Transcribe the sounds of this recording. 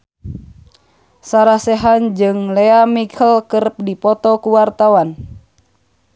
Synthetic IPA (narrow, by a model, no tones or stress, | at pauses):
saɾasɛɦand͡ʒɨŋlɛamikʰəlkərp̚dipɔt̪ɔkuwart̪awan